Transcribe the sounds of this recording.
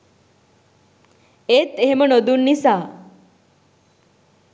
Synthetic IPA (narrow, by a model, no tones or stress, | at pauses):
et̪eɦemənod̪unːisa